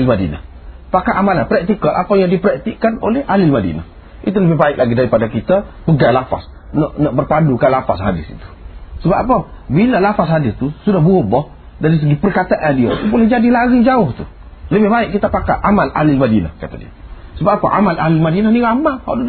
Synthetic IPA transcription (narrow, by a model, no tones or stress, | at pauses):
lmadina̰h | pakaʔamalanpɾɛk̚t̪ikalʔa̰pajaŋdipɾɛk̚t̪iʔkano̰lɛhʔalɪlmadḭna̰h | ḭt̪uləbɪhbaɪʔk̚laɡidaɾipadakit̪apəɡalafa̰s | nɔʔnɔʔbərpandukalafasɦadɪ̰sḭt̪u̥səbaʔpəbilalafas̬ɦadɪst̪usudahbuɔbɔh | daɾis̬əɡipərkat̪aʔadia̰ubolɛhd͡ʒadilaɣid͡ʒaʊht̪u | ləbɪhbaɪʔkːit̪apakaʔamalʔa̰lɪlmadina̰kat̪adḭa̰səbapa̰ʔa̰malʔalɪlmadinaniɣamaha̰du